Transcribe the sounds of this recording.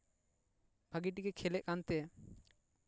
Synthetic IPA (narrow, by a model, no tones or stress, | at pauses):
bʱaɡiʈiɡɛkʰɛlɛʔ̚kant̪ɛ